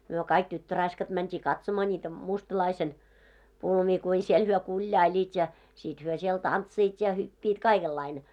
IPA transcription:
myø kɑik tytːørɑiskɑt mæntʲiː kɑtsomɑ nʲiːtæ mustɑ̆lɑisen pulmiː kui siel hyø kulʲjɑilʲiːt jɑ sit hyø siel tɑntsiːt jɑ hypːiːt kɑikelːɑine

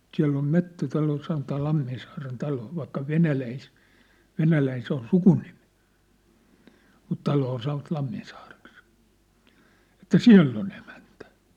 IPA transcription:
siæ̝lː om metːætɑlo sɑnotɑː l̥ɑmːinsɑːren tɑlo ʋɑikːɑ ʋenælæis ʋenælæin se on sukunimi̥ mut tɑloː sɑn̆ŏʋɑt lɑmːinsɑːreks etːæ siæ̝lː on emæntæ̥

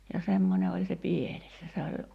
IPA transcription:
jɑ semːonʲe olʲ se pieles jɑ se olʲ

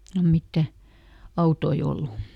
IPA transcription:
silːom mitːæ ɑutoi olːu

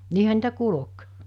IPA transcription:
niːhæ niːtæ kulŏk

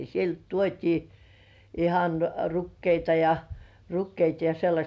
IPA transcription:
sielt tuotʲiː ihɑn rukːeitɑ jɑ rukːeitɑ jɑ selːɑsʲt

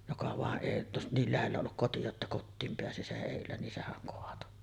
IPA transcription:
jokɑ ʋɑˑeʔ ʔeˑi jotːɑ niːl læhelːæ olːuk koti jotːɑ kotːiːm peæsi seʔ ʔeˑilːæ nin sehæŋ koɑto

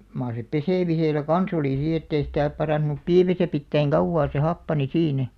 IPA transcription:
mɑːr se peseˑmiselæ kɑn̞s oliˑ siː etːei sitæˑ pɑrɑˑnt̆ŭnup piːmæsæ pitːæiŋ kɑuʋːɑː se hɑpːɑni siːnæ

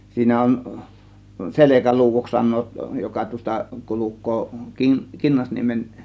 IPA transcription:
siːnæ on selekæluːw̥oks sɑnˑoːt jokɑ tuos̆tɑ kulukˑoː kin kinːɑsniemen

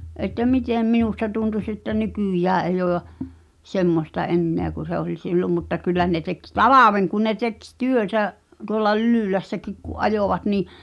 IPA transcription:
ʔetːæ miteˑm minustɑ tuntus etːæ nykyˑjæː eij oː j̆ɑ semːostɑ ʔenːeæ ku se olʲ silːom mutːɑ kylːæ ne tek tɑlɑʋen kun ne tek s tyøtæ tuolːɑ lylyˑlæsːækik kuʔ ʔɑjoˑʋɑt niˑ

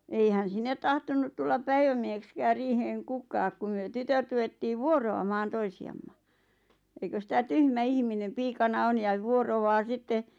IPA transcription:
eihæn sinːet tɑhtonːut tulːɑp pæiʋæmiehekskæːr riːheŋ kukɑːk ku myø tytøt ruʋetːiːʋ ʋuoroɑmɑːn toisiɑmːɑ eikøs sĭtæ tyhmæ ihminem piːkɑnɑ on jɑʋ̆ ʋuoroʋɑː sitːe

